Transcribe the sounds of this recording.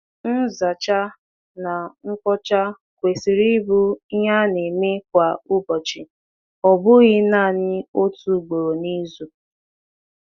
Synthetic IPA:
n̩˦za˨t͡ʃa˦ | na˨ŋ̩˦kɔ˦t͡ʃa˦ | kʷe˨si˨ɾi˦bu˦ɦa˦ne˨me˦k̚ʷa˨ʊ˦bɔ˨t͡ʃɪ˨ | ɔ˨bʊ˦ɣɪ˦na˦˨ɲɪ˦o˦tu˨ɡ͡bo˨ɾo˨ni˦zu˨

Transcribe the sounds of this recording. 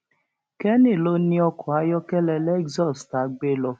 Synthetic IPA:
kɛ˦nĩ˦˨lo˦nĩ˧˦ɔ˧kɔ˨a˧˦jɔ˦kɛ˦lɛ˧lɛ˦ɡzɔ˦˨sta˨˦ɡ͡be˦lɔ˧

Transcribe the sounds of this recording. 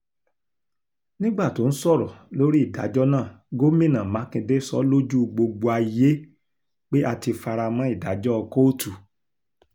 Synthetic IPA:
nĩ˦ɡ͡ba˦˨to˨˦n̩˦sɔ˦˨ɾɔ˨lo˦ɾi˦i˦˨da̰˨˦d͡ʒɔ˦nãː˦˨ | ɡo˦mĩ˦˨nã˨mã˨˦kĩ˧de˦˨sɔ̰˦lo˦d͡ʒu˦˧ɡ͡bo˧ɡ͡bo˧a˧i˧je˦ | k͡pe˦ʔa˧ti˧fa˧ɾa˧mã˦i˦˨da˨˦d͡ʒɔ˦ɔ˧ko˦o˦tu˨

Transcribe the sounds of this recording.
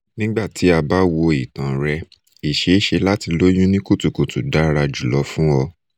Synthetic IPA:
nĩ˦ɡ͡ba˦˨ti˨˦a˧ba˦wo˧i˨tã˨ɾɛ˧ | i˨ʃe˨˦ʃe˧la˦ti˧lo˦jũ˦nĩ˦ku˦˨tu˨ko˨tu˨da˨˦ɾa˧d͡ʒu˨lɔ˨˦fũ˦ɔ˧

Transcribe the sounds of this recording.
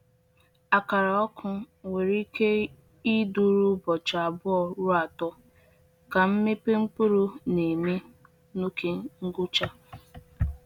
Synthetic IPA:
a˨ka˨ɾa˨ɔ˦kʰʊ˦ | we˨ɾi˦ke˦ | i˦du˦ɾu˦bɔ˨t͡ʃa˨a˨bʊ˦ɔ˦ɾu˦a˨tɔ˦ | ka˨m̩˦me˦pe˦m̩˦pu˦ɾu˦ne˨me˦ | nu˦ke˦ŋ̩˦ɡʊ˦t͡ʃa˦

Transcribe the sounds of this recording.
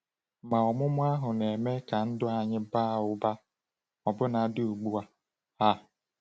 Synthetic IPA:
ma˨ɔ˨mʊ˦mʊ˦a˦ɦʊ˨n˨e˨me˦ka˨n̩˦dʊ˦a˨ɲɪ˦baː˦˨ʊ˦ba˦ | ɔ˨bʊ˦na˨˦dʊ˦˨ɡ͡bu˦a˨ | a˦˨

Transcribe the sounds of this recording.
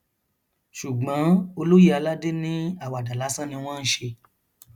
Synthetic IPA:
ʃu˨ɡ͡bɔ̃˨˦o˧lo˦ji˦a˧la˦de˦nĩ˦a˦˨wa˨da˨la˨˦sã˦nĩ˧w̃ɔ̃˦n̩˦ʃe˧

